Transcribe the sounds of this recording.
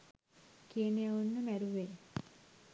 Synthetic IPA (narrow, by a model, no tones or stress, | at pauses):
kijənejaunːəmæɾuʋe